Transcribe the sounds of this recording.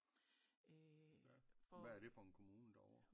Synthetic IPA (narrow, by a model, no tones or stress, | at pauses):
fʋææɐd̥e̝fɒ̽e̝nkʰo̝muːnəd̥aɒʊ̰ɐ